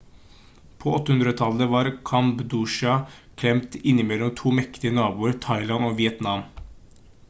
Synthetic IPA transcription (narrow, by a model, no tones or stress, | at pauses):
pʰoːɔt̪ːəʉnd̪ɾət̪ʰɑləʋɑːɾkʰɑmbd̪uʃɑ | kʰlɛmt̪ɪnːɪmɛlːɔmt̪ʰuːmɛkt̪ɪənɑːbuːəɾt̪ʰɑɪlɑnoːʋɪɛt̪nɑm